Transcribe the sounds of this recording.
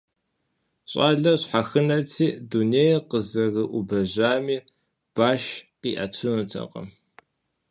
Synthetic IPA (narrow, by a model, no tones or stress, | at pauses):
ɕʼaːɮɐɕħaxɨnɐtʰiːduneːjqəzɐɣɨʔʷubɐʑaːmiː | b̥aːʃqiːʔɐtʰʊnutʰɐ̰qɐ̰m